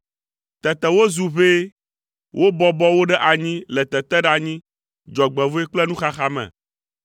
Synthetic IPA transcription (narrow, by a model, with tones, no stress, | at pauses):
t̪ɛ˨t̪ɛ˨wo˦zu˨βe˦ | wʔo˦bɔ˦bɔ˦wo˦ɖɛ˦ʔa˨ɲĩ˦lɛ˨t̪ɛ˨t̪ɛ˦ɖa˨ɲĩ˦ | d͡ʒɔ˨ɡ͡bɛ˨vo˦e˦k͡plɛ˦nũ˦xa˦xa˦mɛ̰̃˨